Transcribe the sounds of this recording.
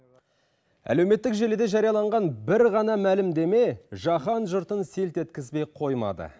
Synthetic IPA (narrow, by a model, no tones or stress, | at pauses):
æ̰lewme̞t̪ːɪkʒe̞led̪e̞ʒɑɾijɑlˠɑɴʁɑnbɪɾʁɑnɑmælɪmd̪e̞me̞ʒɑχɑnʒʊɾt̪ənse̞lt̪e̞t̪kʲɪzbejqʰo̞jmɑ̰d̪ə̰